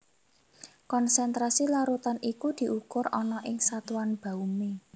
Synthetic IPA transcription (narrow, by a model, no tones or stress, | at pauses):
kɔnsɛnt̪ɾasilaɾut̪anikud̪̥i̤ukʊɾɔnɔʔɪŋsat̪uwanb̥ä̤ume